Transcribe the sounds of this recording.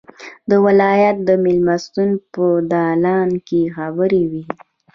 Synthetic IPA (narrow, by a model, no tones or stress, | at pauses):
d̪əwɪlɑjat̪̚d̪əmɪlmast̪unpəd̪ɑlɑnkexabəɾewi